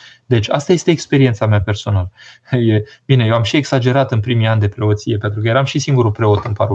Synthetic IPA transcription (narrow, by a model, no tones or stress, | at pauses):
d̪e̞t͡ʃʲast̪aje̞st̪eːkspe̞ɾie̞nt̪sameape̞rso̞naləjebine̞jewamʃie̞ksad͡ʒe̞ɾat̪ɨnpɾimiand̪e̞pɾe̞o̞t̪sije̞pent̪ɾuk̬əjeɾamʃisiŋɡuɾupɾe̞o̞t̪ɨnpaɾu